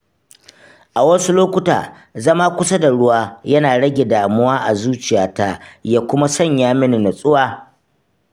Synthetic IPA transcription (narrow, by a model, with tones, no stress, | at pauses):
ʔa˨wɐ˦su˦loː˦kʷʊ˦ta̰ː˨ | zɐ˦maː˦kʷʊ˦sa˦da˨ɽʊ˦waː˦jɐ˦naː˨ɽɐ˦ɡʲe˨daː˨mʊ˦waː˦ʔa˨zuː˦t͡ʃɪ˨jaː˨ta˦jaː˦kʷʊ˦ma˦sɔ˦˨ɲjaː˦mɪ˦ni˨na˨sʼʊ˦waː˨